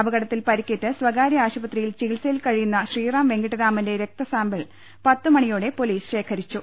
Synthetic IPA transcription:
ɐbɐɡɐɽɐt̪ːilpɐɾikʲːeʈːɨsʋɐɡaːɾɐaːɕubɐt̪rijilt͡ɕiːlseilkɐɻijunːɐɕriːraːmʋe̞ŋɡiʈːɐðaːmɐnde̞ɾek̚t̪ɐsaːmbeɭ | pɐt̪ːɨmɐɳijoːɽe̞po̞liːsɕe̞ːkʰɐɾit͡ɕːu

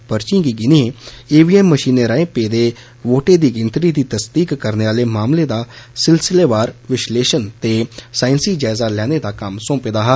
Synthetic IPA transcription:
pəɾt͡ʃĩːɡiːɡɪniɦẽeːʋiːɛːmːəʃiːneːɾaːẽːpeːd̪eː | ʋoːʈeːd̪iːɡɪnt̪ɾiːd̪iːt̪əsd̪iːkːəɾneːʋaːleːmaːmleːd̪aːsɪlsɪleːʋaːɾʋɪʃleːʃənt̪eːsaːɪnsiːd͡ʒaːɪzaːlɛːneːd̪aːkəmsõːpeːd̪aːɦ

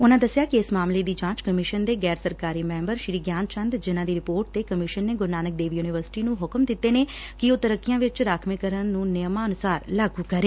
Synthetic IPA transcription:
ʊnãːd̪əsːjaːkɪɪsmaːmleːd̪iːd͡ʒãːt͡ʃkəmɪʃənd̪eːɡɛːɾsəɾkaːɾiːmɛ̃ːmbəɾʃɾiːɡjaːnt͡ʃənd̪d͡ʒɪnãːd̪iːɾɪpoːɾʈ̚t̪eːkəmɪʃənːeːɡʊɾnaːnək̚d̪eːʋiːjuːniːʋəɾsɪ̥ʈiːnũːɦʊkmd̪ɪt̪ːeːneː | kɪoːt̪əɾəkːɪjãːʋɪt͡ʃɾaːkʰmɪkəɾənːũːnɪjəmãːənʊsaːɾlaːɡuːkəɾeː

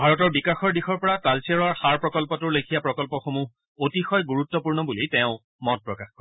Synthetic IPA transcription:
bʱaɹɔtɔɹbikaxɔɹdixɔɹpɔɹatalsiɛɹɔɹxaɹpɹɔkɔlpɔtʊɹlekʰijapɹɔkɔlpɔxomu | otixɔjɡuɹut̪ːɔpuɹnɔbulitɛ̃ʊ̃ | mɔt̚pɹɔkaxkɔ

